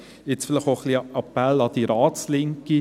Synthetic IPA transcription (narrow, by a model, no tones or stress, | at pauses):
ɪt͡sfɪlɪχoχliɑpælːɑd̪̥iɾɑːtt͡slɪŋki